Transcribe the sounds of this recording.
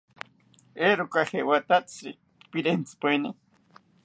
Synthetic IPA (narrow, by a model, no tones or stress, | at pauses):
eɾukaxewat̪at͡sḭ | piɾent͡si̥peni